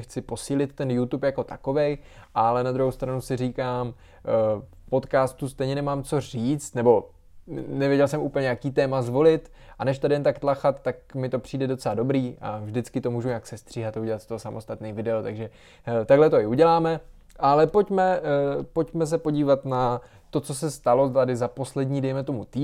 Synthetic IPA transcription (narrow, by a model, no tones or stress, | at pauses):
xt͡sɪpo̞siːlɪt̪ːɛnjut̪upjako̞t̪ako̞vɛjʔalɛnad̪ɾuɦowst̪ɾanusɪriːkaːm | fpo̞t̪kaːst̪ust̪ɛjɲɛnɛmaːmt͡so̞r̝iːt͡st̪nɛbo̞ | nɛvjɛɟɛlsɛmʔuːpl̩ɲɛjakiːt̪ɛːmazvo̞lɪt̪ | ʔanɛʃ̬t̪adɪjɛnt̪akt̪laxat̪ːak̚mɪt̪o̞pr̥iːdɛdo̞t͡sɛlado̞bɾiːʔa̰vʒdɪt͡skɪt̪o̞muːʒuɲaksɛst̪r̝̥iːɦat̪auɟɛlat̪st̪oɦosamʔo̞st̪at̪nɛːvɪdɛot̪aɡʒɛ | t̪aɡlɛt̪oɪuɟɛlaːmɛ | ʔalɛpo̞cmɛpocmɛs̬ɛpo̞ɟiːvat̪na | t̪o̞t͡sos̬ɛst̪alo̞t̪adɪzaposlɛdɲiːdɛjmɛt̪o̞mut̪iː